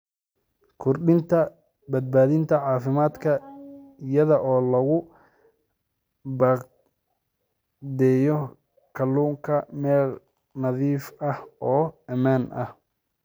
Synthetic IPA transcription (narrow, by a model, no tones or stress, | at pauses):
kʰʊrɖɪnt̪ʰɐ | bɐd̪̚baːðɪnt̪ʰɐʕɑːfɪmaːd̪kʰɐɪjɐðɐʔɔːlɐɣʊ | bɑq | d̪ɛːjɔ | kʰɐlːuːŋkʰɐmɛːl | nɐðiːfɐhʔɔːɐmaːnʔɐ̰h